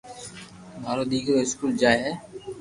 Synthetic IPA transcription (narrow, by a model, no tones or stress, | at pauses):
mʱaːɾoːd̪iːɡɾoːɪskuːld͡ʒaːeɦɛː